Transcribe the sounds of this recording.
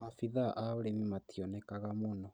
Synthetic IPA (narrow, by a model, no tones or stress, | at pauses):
mafiðaʔaoɾɛmimatʰiɔnɛkaɣamonɔ